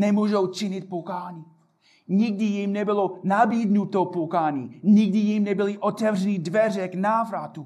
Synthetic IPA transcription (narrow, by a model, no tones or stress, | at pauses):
nɛmuːʒowt͡ʃɪɲɪt̪̚pokaːɲi | ɲɪɡ̚dɪjimnɛbɪlonabiːdnut̪opokaːɲiɲɪɡ̚dɪjimnɛbɪlɪʔot̪ɛvr̝ɛnidvɛrɛknaːvɾat̪u